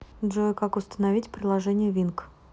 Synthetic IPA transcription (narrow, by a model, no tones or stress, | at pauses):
dʐokakʊst̪ənɐvʲitʲpɾʲɪlˠɐʐɛnʲɪjəvʲink